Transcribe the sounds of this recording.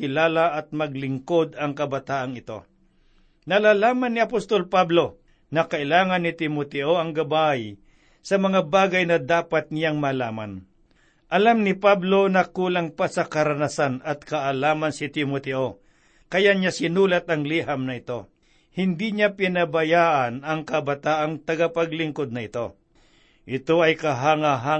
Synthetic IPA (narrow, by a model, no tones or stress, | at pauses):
kɪlaːlaʔɐt̪̚mɐɡ̚lɪŋko̞d̪ɐŋkɐbɐt̪aːʔɐŋɪt̪o̞̰ | nɐlaːlaːmɐnːɪɐpost̪o̞lpablo̞ | nɐkɐʔɪlaːŋɐnːɪt̪ɪmot̪ɛʔoɐŋɡɐbaj | sɐmɐŋabaːɡɐjnɐd̪aːpat̪̚nɪjaŋmɐlaːma̰n | ʔɐlamnɪpablo̞nɐkuːlaŋpasɐkɐɾɐnasanɐt̪̚kɐʔɐlaːmɐnsɪt̪ɪmot̪ɛʔo̞ | kɐjaɲasɪnuːlɐt̪ɐŋliɦɐmnɐɪt̪o̞ | hɪnd̪iɲapɪnɐbɐjaːʔɐnɐŋkɐbɐt̪aːʔɐŋt̪ɐɡapɐɡlɪŋkod̪̚nɐʔɪt̪o̞ | ʔɪt̪o̞ʔɐjkɐɦaŋaɦa